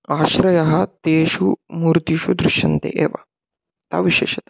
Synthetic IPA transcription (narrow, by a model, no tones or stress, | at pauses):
aɕɾɐjɐɦɐt̪eʃuːmuːɾt̪iɕud̪ɾuʂjɐnt̪ḛʔeʋa̰ | t̪a̰ʋiɕḛːɕɐt̪a